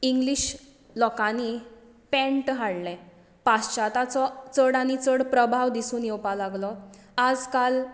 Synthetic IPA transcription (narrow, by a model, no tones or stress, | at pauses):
iŋɡliɕ | lɔkani | pɛ̃ɳʈɦaɽlɛ̃ | past͡ɕat̪at͡sɔt͡səɽañit͡səɽpɾəbʱaʋd̪isuːnjɛwpalaɡlɔad͡zkal